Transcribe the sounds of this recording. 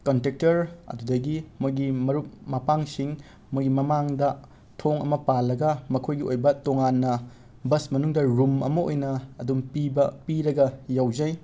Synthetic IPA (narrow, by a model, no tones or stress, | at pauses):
kontek̚tɐɾɐ̰dudɐɡimojɡimɐɾup̚mɐpaŋsiŋ | mojɡimɐmaŋdɐ | tʰoŋɐ̰mɐpalːɐɡɐmɐkʰojɡiojbɐtoŋanːɐ | bɐsmɐnuŋdɐɾumɐ̰mɐo̰jnɐːdumpibɐpiɾɐɡɐjawzɐj